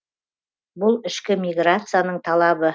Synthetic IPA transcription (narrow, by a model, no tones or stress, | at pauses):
bʊlˠɪʃkʲɪmʲijɡrat̪sɨjanəɴt̪ʰɑlˠɑbə